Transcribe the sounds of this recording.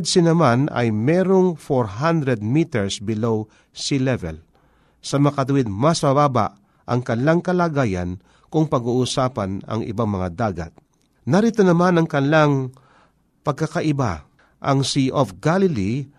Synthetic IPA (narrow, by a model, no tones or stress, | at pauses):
d̪sɪnɐmanɐ̰jmɛɾoŋfoɾɦand̪ɾɛd̪̚miːt̪ɛɹsbɪlow | silɛvɛ̰l | sɐmɐkɐt̪̬ʊwɪd̪̚mɐsmɐbaːba̰ʔ | ʔɐŋkɐnlaŋkɐlaːɡaːja̰n | kʊŋpɐɡuːʔuːsaːpɐnɐ̰ŋʔɪ̰baŋmɐŋad̪aːɡa̰t̪̚ | nɐɾit̪onɐmanɐŋkɐnlaŋ | pɐɡ̚kːakɐʔɪba̰ | ʔɐŋsiʔofɡalɪli